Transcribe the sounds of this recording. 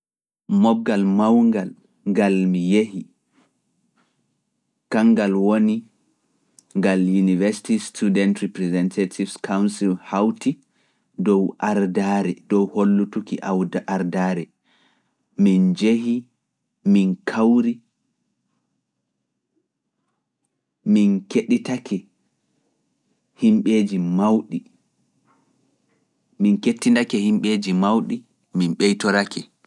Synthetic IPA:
mɔɡalmawŋɡal | ŋɡalmijeɦi | kaŋɡalwoni | ŋɡaljunivɛsi̥tistudɛntɾipɾɛzɛntʰatʰivskawnsilhawti | dɔwʔaɾdaɾɛdɔwholːutukiʔawʔaɾdaːɾɛ | mind͡ʒehi | minkʰawɾi | minkeɗitakʰɛ | himɓeːd͡ʒimawɗi | minketːindakɛhimɓeːd͡ʒimawɗi | minɓɛjtɔɾakʰɛ

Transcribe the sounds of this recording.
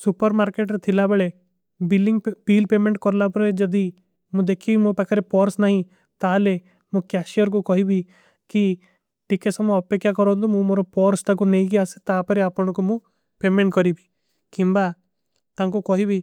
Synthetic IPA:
supəɾmaːɾkeʈɾet̪ʰilabəɭe | biliŋɡpiːlpeːmẽɳʈkɔɾlapɔɾed͡ʒɔd̪i | mũd̪ekʰimõpɛkʰaɾepɔɾsnaːɦĩ | t̪aːle | mũkaʃiɔɾkukɔɦibʱi | ki | ʈikesɔmɔpekʰːjakɔɾod̪omũmoɾopɔːɾst̪ak̬uneik̬iase̥t̪aːpɔɾeapɔɽ̃kumũ | peːmẽɳʈkɔɾibi̥ | kĩmba | t̪aŋkukɔɦibʱi

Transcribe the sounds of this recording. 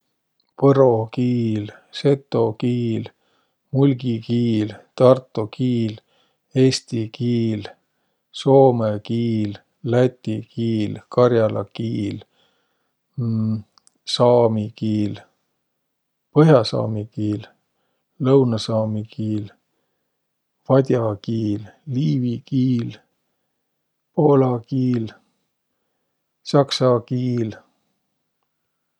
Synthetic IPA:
pɤɾo̞kiːlse̞t̪ːo̞kiːl | mulʲɡikiːlt̪ɑrt̪ːˑokiːl | e̞ːst̪ikiːl | so̞ːmekiːlː | æt̪ʲːikiːlkɑrjɑlʔɑ̰kiːl | sɑːmikiːl | pɤɦjɑsɑ̰ːmikiːl | lɤwnɑsɑːmikiːl | vɑd̪ʲjɑkiːlːiːvikiːl | poːlɑkiːl | sɑksɑkiːl

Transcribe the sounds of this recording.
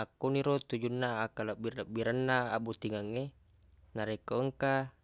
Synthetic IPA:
akːoniɾot̪ud͡ʒunːaːkalabirlabːiɾanːaabut̪iŋaŋːe | naɾekoəŋka

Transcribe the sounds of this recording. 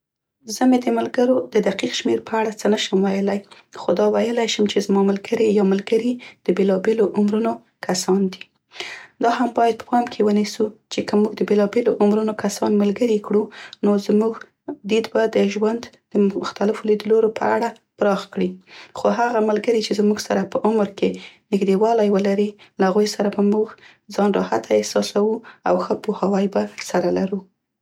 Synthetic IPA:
zəmed̪əməlɡəɾod̪əd̪aqiqʃmeɾpəaɽat͡sənaʃəmwajəlaj | xod̪ɑwajəlajʃəmt͡ʃezmɑmalɡəɾijɑməlɡəɾid̪̥əbelɑbeloʔʊmɾuno | kʰasɑnd̪i | d̪ɑhambɑjad̪̚pə̥pɑmkʰewənisut͡ʃekəmuɡd̪əbelɑbeloʔʊmɾunokasɑnmalɡəɾikɽunozmuɡ | d̪id̪bad̪əʒwand̪ | d̪̥əʊxt̪alɪfolid̪əloɾopəaɽa | pɾɑxkɽixoɦaɣamalɡəɾit͡ʃezmuɡsaɾapəʔʊmɾkenɪxd̪ewɑlajwəlaɾilahaɣujsaɾabamuɡ | zɑnɾɑhat̪ʰaɪhsɑsawua̰wxəpuhawajbasaɾalaɾu

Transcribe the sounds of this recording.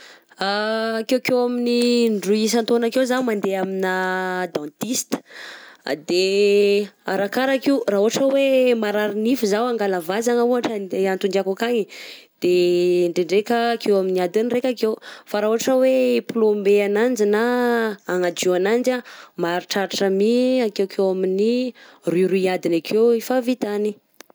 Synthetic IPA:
akewkewaminiɳɖ͡ʐuis̬ant̪onakewzamand̪eaminad̪ãnt̪ist̪ə̥ | d̪e | a̰ɾakaɾakiwraɦuɦaʈ͡ʂəwemaɾaɾinifuzawaŋɡalavazaŋəuɦaʈ͡ʂəant̪uɳɖ͡ʐakukaɲid̪̥eɳɖ͡ʐeɳɖ͡ʐekəːkewaminiad̪ənirekʲakewfaɾaːɦuɦaʈ͡ʂəweplombeanand͡ʒinaː | ŋad͡ʒeanand͡ʒamaɾiʈ͡ʂaɾʈ͡ʂamiakewkʰewaminiriɾuiad̪inakʰewifavit̪ani

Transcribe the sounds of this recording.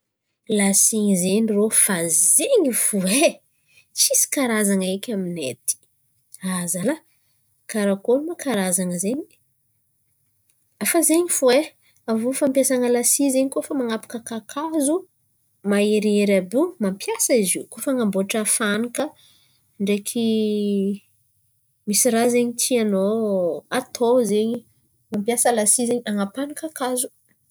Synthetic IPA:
lasiɲizenrofazeɲifue | t͡ʃisi̥kaɾazaŋaekʲaminet̪i̥ | azala | kaɾakolumakaɾazaŋəzeɲi | afazeɲifue | avufampjasaŋəlasizeɲikofəmaŋapḁkəkakʰazu | maeɾeɾabumampjasaiziukofaŋamboaʈ͡ʂafanikə | ɳɖ͡ʐekʰi | misiɾazeɲit̪ʰianoat̪ʰozeɲi | mampjasəlasizeɲaŋapanəkakazu̥

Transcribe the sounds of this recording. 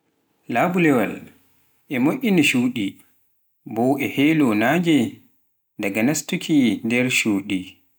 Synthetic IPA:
labulɛwa̰l | ʔɛmoʔʲiniʃuːɗi | bɔwɛhɛlɔnaːd͡ʒɛ | daɡanastukʰindɛɾʃuːɗi

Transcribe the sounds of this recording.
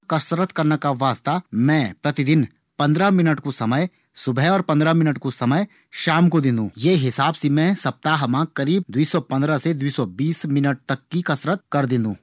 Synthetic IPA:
kɐsɾət̪kɐɾnakaʋaːst̪amɛ̃ːpɾɐt̪ɪd̪ɪn | pɐ̃nd̪ɾamɪnəʈkosɐməj | sʊbʱɛɔːɾpɐ̃nd̪ɾamɪnəʈkosɐməj | ʃaːmkod̪ɪ̃nd̪ʱũːjeːɦɪsaːbsemɛ̃sɐp̚t̪aɦmãkɐɾiːb̚d̪uiːsɔpɐ̃nd̪ɾəsed̪wuiːsɔbiːsmɪnəʈ̚t̪ɐkːikɐsɾət̪̚kɐɾd̪ɪ̃nd̪ũː

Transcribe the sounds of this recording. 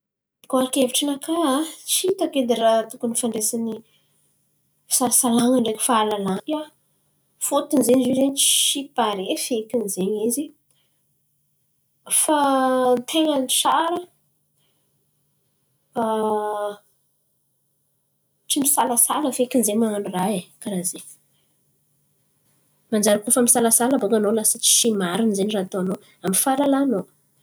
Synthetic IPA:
ikoaɾkeviʈ͡ʂənakʰaat͡ʃit̪aked̪iɾat̪ukunifaɳɖ͡ʐesini | sasalaŋəɳɖ͡ʐekʲfaːlalaa | fot̪inzeɲizizent͡ʃi̥ʃipaɾefekʲinzeɲizi | fant̪ʰeŋənit͡saɾə | a | ʈ͡ʂimisalasaləfekinzemananraekaɾaze | mand͡ʒaɾakufəmisalasaləbokanolasət͡ʃi̥ʃimaɾinzenirat̪oano | amifalalano

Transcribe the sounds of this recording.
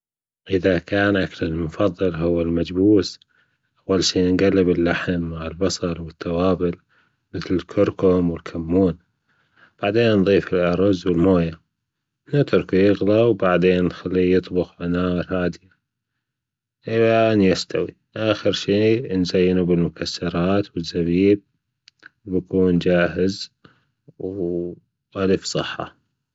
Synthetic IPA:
ʔɪðakaːnʔaklɪlmʊfɑðˤːɨlɦʊwːɪlmad͡ʒbuːs | ʔʔawːalʃiːnɡalːɪbɪlːaħamːaʕɪlbɑsˤɑɾˤwɪt̪ːawɑːbɪl | mɪθlɪlkʰʊɾkʊmwɪlkʰamːuːn | b̥aʕd̪eːnːðˤiːfɪlʔɑɾˤʊzwɪlmoːja | nat̪ʊɾˤkujɪɣlawbaʕd̪eːnːxalːijɨt̪ˤbʊxʕanaːɾˤhaːd̪ɪja | ʔɪlanjast̪awḭ | ʔaːxəɾʃiːnzajːɪnubɪlmʊkasːɑɾˤɑːt̪wɪzːabiːb̚ | bakuːnd͡ʒaːɦɪz | w | ʔaləfsˤɨħːɑ̰

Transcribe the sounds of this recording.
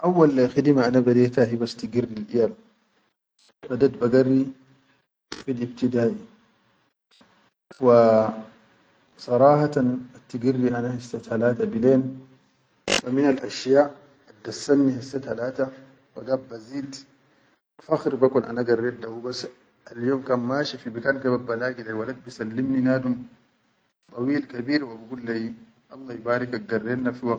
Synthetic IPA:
ʔawːalxid̪imaʔanabad̪eːt̪ahibast̪iɡirːilʔijam | bad̪at̪baɡarːi | filʔib̚t̪id̪aːʔi | wa | sˤɑɾˤɑːhat̪anat̪ːiɡirːiʔanahisːat̪halaːt̪abileːn | waminalʔaʃjaːʔ | ad̪ːasːanːihisːat̪halaːt̪a | waɡabaziːd̪ | faxɾbakunʔa̰naɡarːed̪awubas | aljoːmkaːnmaːʃifibikaːnɡababːalaːɡilawalad̪̚bisalːimninaːd̪um | t̪ˤɑwiːlkabiːɾwabiɡulːaji | ʔɑlˤːɑːibaːɾikaɡarːenafiwak

